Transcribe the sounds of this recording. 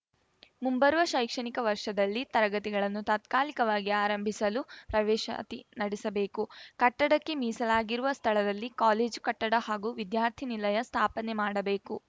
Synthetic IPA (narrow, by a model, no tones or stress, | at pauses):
mumbɐɾuʋɐʃɐjkʂɐɳikɐʋɐɾʂɐd̪ɐlːit̪ɐɾɐɡɐt̪iɡɐɭɐnːut̪aːt̪kaːlikɐʋaːɡiaːɾɐmbʱisɐlupɾɐʋɛːʃɐ̰t̪inɐɽɛsɐbe̞ːkukɐʈːɐɽɐkːe̞miːsɐlaːɡiɾuʋɐst̪ʰɐɭɐd̪ɐlːikaːleːd͡ʒkɐʈːɐɽɐhaːɡuːʋid̪jaːɾt̪ʰinilɐjɐst̪ʰaːpɐnɛmaːɽɐbe̞ːku